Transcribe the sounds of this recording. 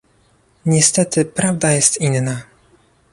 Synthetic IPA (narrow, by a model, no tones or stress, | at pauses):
ɲɛst̪ɛt̪ɘpɾavd̪ajɛst̪inːa